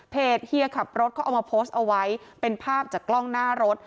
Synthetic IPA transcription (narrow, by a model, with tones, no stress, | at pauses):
pʰeː˨˩t̪̚hi˧əkʰa˨˩p̚ɾo˦t̪̚kʰʔmaː˧pʰoː˦˥st̪̚ʔa˧wa˦˥jpe˧npʰaː˥˩p̚t͡ɕaː˨˩klɔ˥˩ŋnaː˥˩ɾo˦˥t̪̚